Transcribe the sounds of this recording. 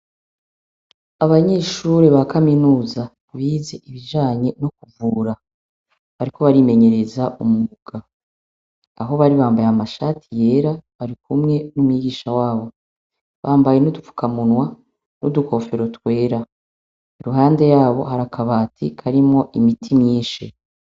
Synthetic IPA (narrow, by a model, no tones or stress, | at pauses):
aβaɲe̞ːʃuɾeβakaminuːza | βiːze̞ʔiβiʒaːɲe̞no̞kuvuːɾa | βaɾiko̞βaɾime̞ɲe̞ɾe̞zaumuuβuɡ̥a | ɦo̞βaɾiβaːmbajamaʃatʰije̞ːɾaβaɾikumŋe̞numuiɡiːʃawaːβo̞ | βaːmbaje̞nudufu̥kamunwa | nuduko̞fe̞ɾo̞twe̞ːɾa | iɾuɦaːnde̞jaːβo̞̰ɦaɾakʰaβaːtʰḭkʰaɾimŋo̞ʔimitʰimɲiːnʃḭ